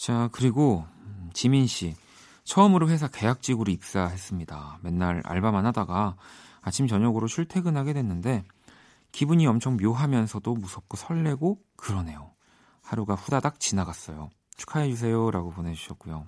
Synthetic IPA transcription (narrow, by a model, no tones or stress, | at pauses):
t͡ɕakɯɾiɡot͡ɕiminɕ͈i | t͡ɕʰʌːmɯɾoɸwes̬ʰake̞jak̚t͡ɕ͈iɡɯɾoik̚s͈aɦe̞s͈ɯmɲidame̞nːaɾa̰ɭbamanɦadaɡa | at͡ɕʰimt͡ɕʌɲʌɡɯɾoɕʰuɭtʰe̞ɡɯnɦaɡe̞dwe̞nːɯnde̞ | kibuɲiʌmt͡ɕʰʌŋmjoɦamjʌnsʰʌdomusʰʌp̚k͈osʰʌɭːe̞ɡo | kɯɾʌne̞jo | haɾuɡaɸudadak̚t͡ɕinaɡas͈ʌjo | t͡ɕʰu̥kʰaed͡ʑus̬ʰe̞joɾaɡopone̞d͡ʑuɕʰʌt̚k͈ujo